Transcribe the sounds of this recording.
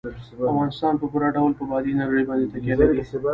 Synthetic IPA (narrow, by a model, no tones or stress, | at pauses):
afɣɑnɪst̪ɑːnpəpuɾaɖawlpəbɑd̪inaɾaɽibɑnd̪et̪akjalai